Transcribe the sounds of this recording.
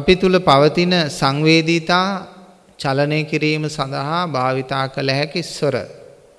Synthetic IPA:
apit̪uləpaʋət̪inəsaŋʋeːd̪it̪aː | t͡ʃalənejəkiɾiːməsand̪aɦabʱaːʋit̪aːkələɦɛkisʋəɾə̰

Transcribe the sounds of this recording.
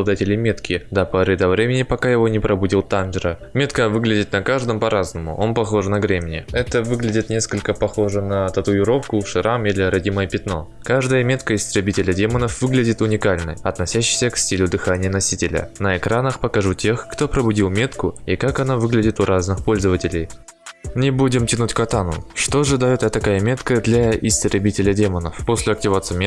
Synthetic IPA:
lˠd̪atʲɪlʲɪjmʲe̞t̪kʲɪd̪ɐpɐɾɨd̪ɐvɾʲemʲɪnʲɪpɐkajɪvo̞nʲɪpɾʔɐbʊdʲilˠt̪anʐɾə | mʲe̞t̪kəvɨɡlʲɪdʲɪt̪nɐkaʐd̪əmpɐɾaznəmʊ̰ʔo̞npɐxo̞ʐɨnɐɡɾʲemʲɪnʲɪɛt̪əvɨɡlʲɪdʲɪt̪nʲe̞skəlʲkəpɐxo̞ʐɨnət̪ɐt̪ʊɪɾo̞fkʊʂɨɾamilʲɪɾɐdʲiməjəpʲɪt̪no̞̰ | kaʐd̪əjəmʲe̞t̪kəɪst̪ɾʲɪbʲitʲɪlʲədʲe̞mənəfvɨɡlʲɪdʲɪt̪ʊnʲɪkalʲnɨ̰ɐt̪nɐsʲæɕːɪ̥jsʲəksʲtʲilʲʊd̪ɨxanʲɪjənɐsʲitʲɪlʲə̰nəɪkɾanəxpəkɐʐutʲe̞xːt̪o̞pɾəbʊdʲilˠmʲe̞t̪kʊikakɐnavɨɡlʲɪdʲɪt̪ʊɾʔaznɨxpo̞lʲzəvətʲɪlʲɪj | nʲɪbudʲɪmtʲɪnutʲkɐt̪anʊ̰ʂt̪oʐɨd̪ajot̪ɐt̪ɐkajəmʲe̞t̪kəd̪lʲɐɪst̪ɾʲɪbʲitʲɪlʲədʲe̞mənəfpo̞sʲlʲɪɐk̚tʲɪvat̪sɨmʲ

